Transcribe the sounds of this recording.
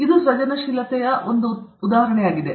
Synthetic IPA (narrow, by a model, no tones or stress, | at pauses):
id̪usʋɐd͡ʒɐnɐʃilɐt̪ɛjɐond̪uːd̪aːɦɐɾɐɳɛjaːɡid̪e